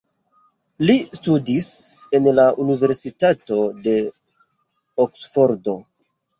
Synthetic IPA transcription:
listudise̞nlaʔunive̞ɾsitato̞de̞ | oksfo̞ɾdo̞

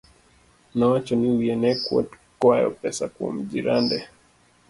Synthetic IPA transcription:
nawat͡ʃɔniujɛnɛkwɔ̰t | kwajɔ̰pɛsakuɔ̰m̩ʄiɾandɛ

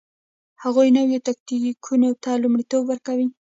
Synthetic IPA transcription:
haɣujnəwjot̪ak̚nikʰunot̪alumɽit̪obwəɾkawi

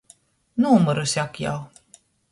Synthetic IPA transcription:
nuːmuɾusʲakja̰w

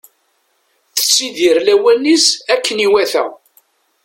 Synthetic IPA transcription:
θə̥t͡sːiðiɾlæwænːisækːəniwæθæ̰

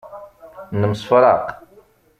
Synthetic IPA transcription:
nəmsˤfɾˤɑ̰q

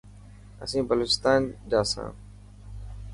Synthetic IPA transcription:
ə̰sĩːbəloːt͡ɕɪst̪aːnd͡ʑaːsã̰ː

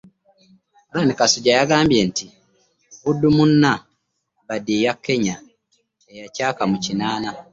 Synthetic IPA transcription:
olanikasuɟajaɡaːmbje̞ntʰi | udːumunːa | βadijakʰːe̞ɲa | ejacaːkamucinaːna

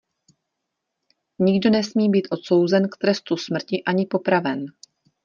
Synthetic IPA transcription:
ɲɪɡdo̞nɛsmiːbiːt̪ʔo̞t̪so̞wzɛnkt̪ɾɛst̪usmr̩cɪʔaɲɪpo̞pɾavɛn

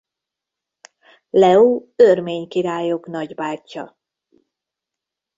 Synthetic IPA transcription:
lɛoːørmeːɲkiɾaːjo̞knɒɟbaːcːɒ̰

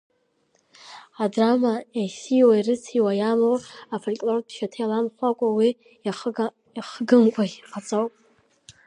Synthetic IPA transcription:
adramaesiwairɨt͡sʰiwajamowafolkʲʼlorpʰʃatʰajlamχʷakʷʼawi | χɡɨmkʷʼaqʰʼat͡sʼowpʼ

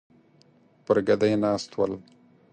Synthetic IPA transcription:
pəɾɡad̪ajnɑːst̪wəl

